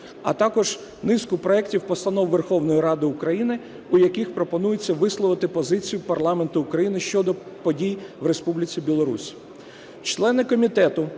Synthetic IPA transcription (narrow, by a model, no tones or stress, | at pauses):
ɐ̰t̪ɑkɔʒ | nɪskʊpɾɔɛktʲiwpɔst̪ɐnɔwʋerxɔwnɔjiɾɑd̪ɪʊkɾɐjinɪ | ʊjɐkɪxpɾɔpɔnujet͡sʲːɐʋɪslˠɔʋɪt̪ɪpɔzɪt͡sʲijʊpɐrlˠɑment̪ʊːkɾɐjinɪʃt͡ʃɔd̪ɔpɔdʲijʋɾespublʲɪt͡sʲibʲilˠɔɾṵsʲ | t͡ʃlˠɛnɪkɔmʲit̪ɛt̪ʊ